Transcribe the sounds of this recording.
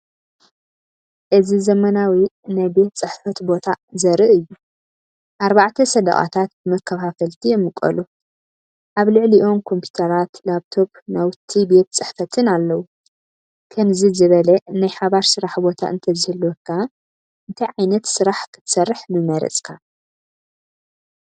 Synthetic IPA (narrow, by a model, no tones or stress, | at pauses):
ʔɨzizɐmɐnawinajbe̞t̪t͡sʼɨħfɐt̪bo̞t̪ʰazɐɾɨʔɨjːu | ʔaɾbaʕt̪ʰɐsɐd̪ɐ̰χʼa̰t̪ʰat̪̚bɨmɐkʰːɐfafɐlt̪ʰijɛmːɨkʼɐ̰lu | ʔaβlɨʕliʔo̞mkʰo̞mpʰu̥t̪ʰɐɾat̪laβt̪ʰo̞bnawt̪ʰibe̞t̪t͡sʼɨħfɐt̪ʰɨnalːɐwu | kʰɐmzizɨβɐlɐnajħaβaɾsɨɾaħbo̞t̪ʰa̰ʔɨ̰nt̪ʰɐzɨhɨlːɔkʰːa | ʔɨnt̪ʰɐjʕajnɐt̪sɨɾaħkʰɨ̥t̪ʰsɐrːɨħmɨmɐɾɐ̰t͡sʼkʰa